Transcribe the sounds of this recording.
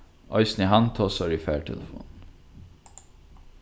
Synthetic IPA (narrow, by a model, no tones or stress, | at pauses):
ʔɔʏsnihɑnt̪ʰoːsɑɹifæːʈʰɛ̰ləfṵːn